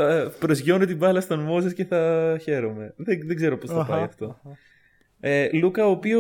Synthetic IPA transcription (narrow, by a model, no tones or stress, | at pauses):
ɐpɾozʝo̞net̪ibɐlɐst̪ɐnmozesce̞θɐçe̞ɾo̞me̞ðeðeɡze̞ɾo̞po̞sθɐpɐjɐft̪o̞ | elukɐoːpio